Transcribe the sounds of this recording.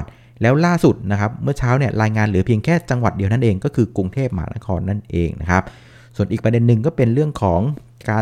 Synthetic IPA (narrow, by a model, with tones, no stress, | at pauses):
t̪̚ | lɛː˦˥wlaː˥˩su˨˩t̪̚na˦˥kʰa˦˥p̚mɯ˥˩ɐt͡ɕʰaː˦˥wni˥˩ɐɾaː˧jŋaː˧nɾɯː˩˦pʰi˧əŋkʰɛː˥˩t͡ɕa˧ŋwa˨˩t̪̚di˧na˥˩nʔeː˧ŋkɔː˥˩kʰɯː˧ku˧ŋt̪ʰeː˥˩p̚ma˧ɦa̰ː˩˦na̰˦˥kʰɔː˧nːa˥˩nʔḛː˧ŋnʔa˦˥kʰa˦˥p̚ | su˨˩ənʔiː˨˩k̚pɾde˧nːɯ˨˩ŋkɔː˥˩pe˧nɾɯ˥˩əŋkʰɔː˩˦ŋ | kaː˧